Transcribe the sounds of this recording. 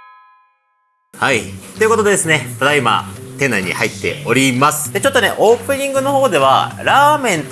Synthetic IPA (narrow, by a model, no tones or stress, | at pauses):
hait̪o̞ji̟ko̞t̪o̞d̪e̞d̪esɨne̞t̪ad̪aima̰t̪ẽ̞nːaiɲ̟ːḭhait̪ːe̞̰o̞ɾʲimasɨ̥d̪̥e̞t͡ɕo̞t̪ːo̞ne̞̰ʔo̞ːpɯ̟ɲ̟ĩŋɡɯ̟no̞ho̞ːd̪e̞β̞a̰ɾaːmẽ̞n